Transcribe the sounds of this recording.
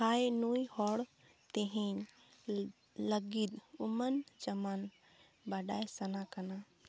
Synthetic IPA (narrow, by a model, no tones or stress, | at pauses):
ajenoihɔɽ | t̪eɦiɲ | ləɡid̪umənd͡ʒəman | baɖajsənakəna